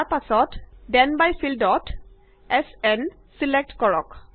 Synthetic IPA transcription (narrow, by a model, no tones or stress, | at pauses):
pasɔtdɛnbajsildɔt | ɛsɛn | silek̚tkɔɹɔk